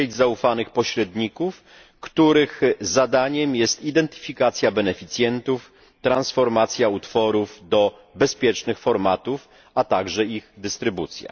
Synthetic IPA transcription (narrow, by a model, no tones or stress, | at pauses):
ed͡ʑzaufanɘxpɔɕɾɛd̪ɲikuf | kt̪uɾɘxzad̪aɲɛmjɛst̪id̪ɛnt̪ɘ̥fʲikat̪sʲjabɛnɛfʲit̪sʲjɛnt̪uf | t̪ɾansfɔɾmat̪sʲjaut̪fɔɾuvd̪ɔ | bɛspʲjɛt͡ʂnɘxfɔɾmat̪uf | at̪aɡʐɛiɣd̪ɘst̪ɾɘbut̪sʲja̰